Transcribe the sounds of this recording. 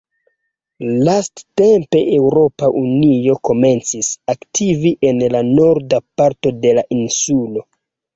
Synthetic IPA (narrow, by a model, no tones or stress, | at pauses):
lasttempe̞ʔe̞wɾo̞paʔunio̞ko̞me̞nt͡sisaktʰiviʔe̞nlano̞ɾdapaɾto̞de̞laʔinsulo̞